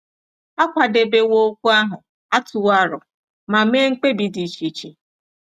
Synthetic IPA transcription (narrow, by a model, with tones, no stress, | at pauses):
a˦kʷa˨de˨be˨wo˦kʷu˦a˦ɦʊ˨ | a˦tʊ˨wa˦ɾʊ̰˨ | ma˨me˦ŋ̩˦k͡pe˦bi˨di˨t͡ʃi˨t͡ʃi˨